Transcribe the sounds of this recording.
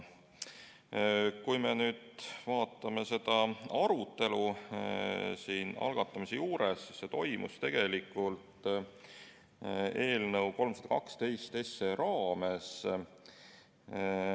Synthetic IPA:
kujmenyːd̪̥vɑːt̪ːˑɑme̞se̞d̪̥ɑɑɾut̪ˑːe̞lu | siːnɑ̰lɡ̥ɑt̪ːˑɑmise̞juːɾesːisːe̞t̪o̞jmṵst̪e̞ɡ̥e̞likːˑult̪ | e̞ːlnɤwko̞lmsɑd̪̥ɑkɑ̰kst̪e̞jst̪e̞se̞ɾɑːme̞s

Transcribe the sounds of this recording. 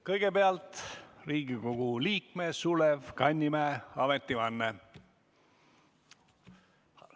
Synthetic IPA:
kɤjɡ̥epeɑlt̪riːɡiko̞ɡ̥uliːkmesulevkɑnʲːimæːɑmet̪ːivɑnːe

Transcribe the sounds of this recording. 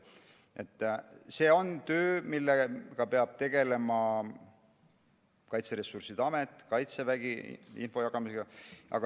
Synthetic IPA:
e̞t̪ːˑse̞ːo̞nt̪ø̞ːmilːeɡ̥ɑpe̞ɑb̥̚t̪e̞ɡ̥e̞le̞mɑ | kɑjt̪seɾe̞sːursid̪̥ɑme̞t̪ːˑkɑjt̪sevæɡ̥ḭḭnfo̞jɑɡ̥ɑmiseɡ̥ɑʔɑ̰ɡɑ

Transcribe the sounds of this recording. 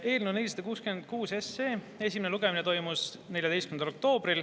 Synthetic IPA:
e̞ːlnune̞lʲːisɑd̪ɑkuːskymend̪̥̚kuːse̞se̞ː | e̞s̬ʲimeneluɡ̥eminet̪o̞jmus | ne̞lʲjɑd̪e̞jstkymnɑlok̚t̪o̞ːb̥ril

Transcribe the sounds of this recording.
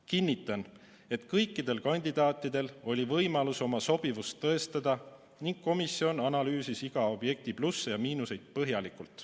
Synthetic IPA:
kinʲːit̪ːˑɑn | e̞t̪kɤjkːˑid̪̥e̞lkɑnʲd̪̥id̪̥ɑːt̪ːˑid̪̥e̞lo̞lʲivɤjmɑluso̞mɑso̞b̥ivust̪ːɤ̞est̪ɑd̪̥ɑ | niŋɡ̥̚ko̞misio̞nɑnɑlyːsisiɡ̥ɑo̞b̥je̞k̚t̪iplusːejɑmiːnuse̞jd̪̥̚pɤɦjɑlikˑult̪ˑ

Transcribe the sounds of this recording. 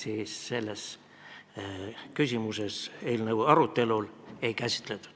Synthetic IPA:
siːsːe̞lːe̞s | kysʲimuse̞se̞ːlnɤwɑɾut̪ːe̞lule̞jkæsʲi̥t̪ˑlet̪ːˑu̥

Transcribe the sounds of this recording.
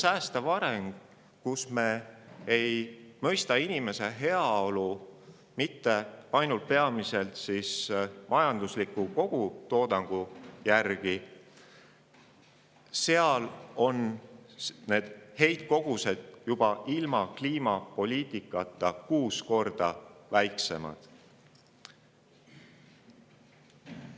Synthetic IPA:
sæːst̪ɑvɑɾeŋɡ̥ | kusme̞ːejmɤ̞jst̪ɑinime̞se̞ɦe̞ɑo̞lu | mit̪ːe̞ɑjnult̪̚pe̞ɑmise̞lt̪sismʔɑjɑnd̪̥uslikːˑuko̞ɡ̥ut̪o̞ːd̪̥ɑŋɡ̥ujærɡ̥i | se̞ɑlo̞n | ne̞ːd̪̥he̞jt̪̚ko̞ɡ̥use̞d̪̥jub̥ɑʔilmɑkliːmɑpo̞lʲiːt̪ˑikːˑɑt̪ːˑɑkuːsko̞rd̪̥ɑvæjkse̞mɑ̰d̪̥

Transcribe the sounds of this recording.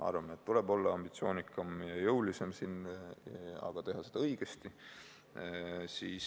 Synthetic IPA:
ɑ̰rvɑmeet̪ːule̞bo̞lːɑɑmb̥it̪sio̞ːnikːˑɑmjɑjɤwlise̞msin | ɑ̰ɡ̥ɑt̪e̞ɦɑse̞d̪ɑɤiɡ̥e̞st̪i | siːs

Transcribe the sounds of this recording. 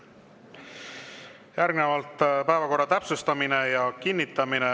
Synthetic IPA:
jæɾɡ̥nevɑlt̪ːˑpæevɑko̞rːɑt̪æpsust̪ɑmine̞jɑkinːit̪ːˑɑmine

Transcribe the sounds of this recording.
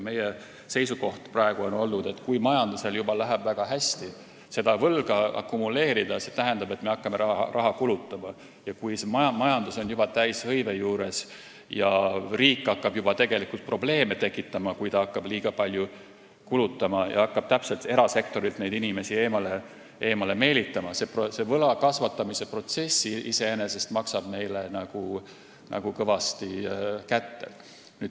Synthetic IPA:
me̞je | se̞jsuko̞ht̪prɑeɡ̥uo̞no̞lːud̪̥e̞t̪ːˑkujmɑjɑnd̪use̞ljubɑlæɦæb̥væɡ̥ɑɦæsʲt̪i | se̞d̪ɑvɤlɡ̥ɑɑ̰kːumule̞ːɾid̪ɑse̞t̪æɦænd̪ɑbe̞t̪ːˑme̞ɑkːɑmeɾɑrʔɑɦɑkulut̪ːˑɑmɑ | jɑkujsemɑɑmɑjɑnd̪̥uso̞njub̥ɑt̪æjshɤjve̞juːɾe̞s | jɑriːkːˑɑkːɑb̥jub̥ɑt̪e̞ɡ̥e̞likult̪̚pro̞ble̞ːme̞t̪e̞kːˑit̪ːˑɑmɑkujt̪ɑɑkːɑb̥liːɡ̥ɑpɑlʲju | kulut̪ːˑɑmɑjʔɑ̰ɑkːɑb̥t̪æpse̞lt̪e̞ɾɑse̞k̚t̪o̞ɾilt̪nejd̪inime̞sie̞ːmɑle | ʔe̞ːmɑle̞me̞ːlit̪ˑːɑmɑseprose̞vɤ̞lɑkɑsvɑt̪ˑːɑmise̞pro̞t̪se̞sːiise̞ene̞se̞st̪mɑksɑb̥ne̞jlenɑɡ̥u | nʔɑ̰ɡ̥ukɤvɑst̪ikæt̪ːe̞̰ | nyːd̪

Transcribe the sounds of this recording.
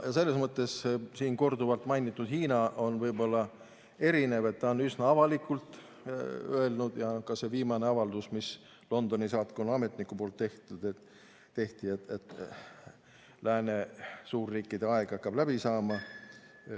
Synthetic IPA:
jɑse̞lːesmɤt̪ˑːe̞ssiːnko̞rd̪uvɑlt̪ˑmɑjnit̪ːˑud̪hiːnɑʔo̞nvɤjbo̞lːɑ | e̞ɾine̞ve̞t̪ːɑonysnɑɑvɑlikːˑult̪ | øelnud̪̥jɑkɑse̞viːmɑneɑvɑld̪usmis | lo̞nd̪̥o̞nisɑːt̪konɑme̞t̪nikːupo̞ːlt̪ːe̞ht̪ud̪̥et̪ | t̪ːe̞ht̪iet̪et̪ | læːne̞suːrːiːkːˑid̪eɑe̞ɡ̥ɑkːɑb̥læb̥isɑːmɑ

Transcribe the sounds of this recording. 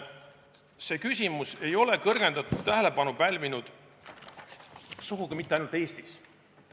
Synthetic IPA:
se̞ːkysʲimuse̞jo̞le̞kɤrɡ̥e̞nd̪ɑt̪ːˑud̥̪t̪æɦele̞pɑnupælʲvinud̪̥ | suɡuɡ̥imit̪ːeɑjnult̪ːˑeːst̪is

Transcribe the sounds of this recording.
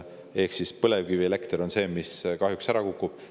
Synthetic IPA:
e̞hksispɤlevkiviele̞kt̪eɾo̞nse̞ːmiskɑɦjuksæɾɑkukːˑub̥

